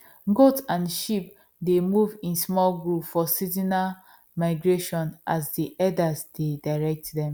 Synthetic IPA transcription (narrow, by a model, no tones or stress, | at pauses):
ɡotãnʃip | demuvĩnsmɔlɡɹupfɔsizina | maɪɡɹeʃɔ̃nʔasdiʔɛdasdedaɹɛk̚tdɛ̃m